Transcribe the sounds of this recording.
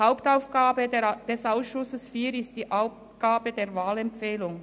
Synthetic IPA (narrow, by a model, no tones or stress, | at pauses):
haʊptaʊfɡ̥aːbəd̥ɛsaʊsʃʊsəsfiːɾɪstd̥iːʔaʊ | ɡ̥aːbədeːvaːlɛmfɛːlʊŋ